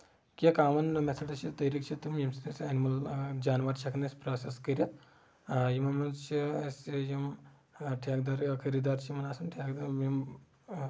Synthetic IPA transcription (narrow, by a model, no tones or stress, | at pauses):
kʲɐkaːmɐnmesʰɐʈɐt͡ʃʰit̪ɐjɾik̚t͡ʃʰit̪umjɐmsinisɐnimɐld͡ʒaːnʋaːɾt͡ʃʰɐkʰnɐsʲpɾaːseskɐɾʲɐ | jimɐnmɐnt͡ʃʰisjɐm | ʈʰjaːk̚d̪aːɾkʰɐɾid̪aːɾt͡ʃʰimɐnaːsɐnʈʰjaːkd̪aɾmim